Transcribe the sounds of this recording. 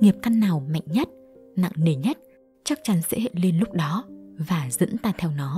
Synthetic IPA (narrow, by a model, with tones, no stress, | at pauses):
ŋi˨˩əp̚ka˧nːaː˨˩wma̰˧˨jŋ̟ɲə˦˥t̚na̰˧˨ŋne˨˩ɲə˦˥t̚ | t͡ɕa˦˥k̚t͡ɕa˨˦nsḛ˧˥˦hḛ˧˨le˧nlʊ˦˥k͡p̚ɗɔ˨˦vaː˨˩zə̰˧˥nt̪aː˧t̪ʰɛ˧wnɔ˨˦